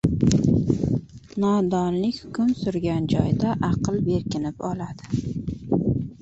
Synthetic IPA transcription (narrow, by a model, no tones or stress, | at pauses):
nɒd̪ɒnlɪkʲhʊ̥kʰʊmsʊɾɡʲand͡ʒɒjd̪aʔɑqʰɨlˠbe̞ɾkʲʰɪnɪpɒlad̪̥ɪ